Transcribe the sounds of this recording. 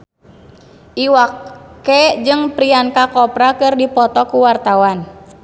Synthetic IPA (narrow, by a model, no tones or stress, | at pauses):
ʔiwakːɛd͡ʒɨŋpɾiankakɔpɾakɨrdipɔt̪ɔkuwart̪awan